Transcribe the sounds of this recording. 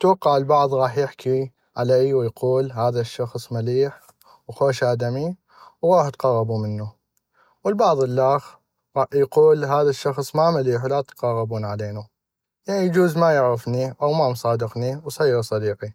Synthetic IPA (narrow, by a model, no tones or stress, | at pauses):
t̪wɑqːɑʕlbɑʕðˤɣɑːħjɪħkʰi | ʕalaːjwjquːlɦaːðaʃːɑxsˤmaliːħ | wxoːʃʔaːd̪ami | wɾuːħt̪qɑrˤːɑbumənːu | wəlbɑʕðˤəlːaːx | ɣɑħjquːlɦaːðaʃːɑxsˤmamaliːħwlat̪qɑrˤːɑbuːnʕaleːnu | janijd͡ʒuːzmajɪʕɾɪfniʔawmamsˤɑːd̪ɪqniwsˤɑjɾsˤɑd̪iːqi